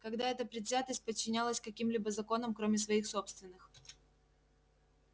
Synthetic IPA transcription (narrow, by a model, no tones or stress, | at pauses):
kɐɡd̪aɛt̪əpɾʲɪd̪zʲat̪əsʲt̚ʲpət͡ɕːɪnʲalˠəsʲkɐkʲimlʲibəzɐko̞nəmkɾo̞mʲɪsvɐixso̞pst̪vʲɪnːɨx